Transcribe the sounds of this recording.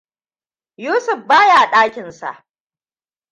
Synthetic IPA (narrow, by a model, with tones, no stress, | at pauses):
juː˦sʊ˨ɸbaː˦ja˨a˨ɗaː˦kʲɪ˨nsa̰˨ʔ